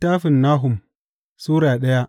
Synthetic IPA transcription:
taː˦ɸɪ˨nːaː˦ɦʊ˨m | suː˦ɾaː˨ɗɐ˦ja˦

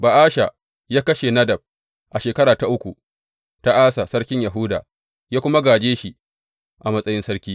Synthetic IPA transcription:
ba˨ʔaː˦ʃa˨ | jaː˦kɐ˦ʃe˨nɐ˦dɐ˨b̚ | ʔa˨ʃeː˨kɐ˦ɽaː˨ta˦ʔʊ˦kʷu˨ | ta˦ʔaː˦sa˨sɐ˦ɽkʲɪ˦ɲja˨ɦʊ˦daː˨ | jaː˦kʷʊ˦ma˦ɡaː˨d͡ʒeː˦ʃi˦˨ | ʔa˨mɐ˦sʼɐ˦jɪ˦nsɐ˦ɽkʲiː˦

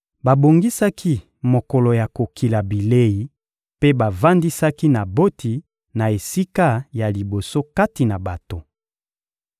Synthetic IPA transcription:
ba˨bo˨ŋɡi˦sa˦kʰi˦ | mo˨kɔ˨lo˨ja˨ko˨kʰi˨la˨bi˨le˦ji˨ | pe˦ba˨va˦ndi˦sa˦ki˦na˨bo˦tʰi˨ | na˨e˨si˦ka˦ja˨li˨bo˨so˦ka˦ti˨na˨ba˨to˨

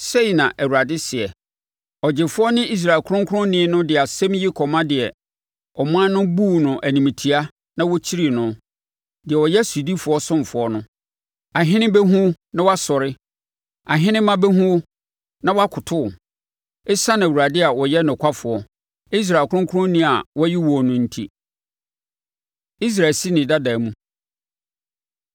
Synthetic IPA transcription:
se˦i˨nã˨ʔæ˨wu˨ɾa˨dɪ˦sɪ˨ɛ˨ | ɔ˨d͡ʑɪ˨fʊ˦ɔ˦nɪ̃˦i˦s̬ɾa˨kʰʊ˦ɾʊ̃˦ŋkʰʊ˦ɾʊ̃˦nɪ̃˦nʊ̃˦dɪ˨a˨sɛ̃˦m˦jɪ˦kʰɔ˨mã˦dɪ˨ɛ˨ | ɔ˨m˦ã˦nʊ̃˦buː˦˨nʊ̃˨ʔæ˨nĩ˨mĩ˨tʰi˨a˦ | nã˦wɔ˦t͡ɕʰi˦ɾi˨nʊ̃˦ | dɪ˨ɛ˨wɔ˨jɛ˦su˨di˦fʊ˨ɔ˦sʊ̃˦m˨fʊ˨ɔ˦nʊ̃˦ | a˨ɦɪ̃˦nɪ̃˦bɛ˦ɦũ˦ | nã˦wɔ˦a˦sɔ˨ɾɪ˦ | a˨ɦɪ̃˦nɪ̃˦mːã˦bɛ˦ɦũ˦ | nã˦wa˦kʰʊ˨tʰʊ˦˨ | ɪ˦sã˦nã˨u˨ɾa˨dɪ˦a˨wɔ˨jɛ˦nʊ̃˨kʷʰa˦fʊ˨ɔ˦ | i˦s̬ɾa˨kʰʊ˦ʊ̃˦kʰʊ˦ʊ̃˦nĩ˦a˨wɔ˦ji˦wɔ˨ɔ˨nʊ̃˦n̩˦tʰḭ˦ | i˦s̬ɾa˨si˦nɪ̃˨da˦da˨mũ˦

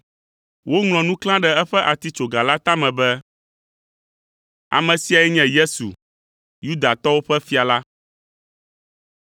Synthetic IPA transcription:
wo˦ŋl̃ɔ̃˨nũ˦klã˦ɖɛ˦˨ɛ˦ɸɛ˦ʔa˨t̪i˦t͡ʃo˨ɡa˨la˦t̪a˦mɛ̃˨bɛ˦ | a̰˨mɛ̃˨si˦a˨ɛ˦ɲɛ̃˦˨je˦sṵ˨ | ju˦d̪a˨t̪ɔ˦wo˦ɸɛ˦fi˦a˨la˦

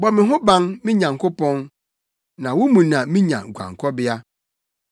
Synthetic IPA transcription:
bɔ˨mɪ̃˨ɦʊ̃˦bã˦nmɪ̃˦ɲã˨ŋ˨kʰʊ˦pɔ̃˦n | nã˨wʊ˦mũ˨nã˨mĩ˦ɲã̰˨ɡʷã̰˨ŋ˨kʰɔ˦bɪ˦a˦

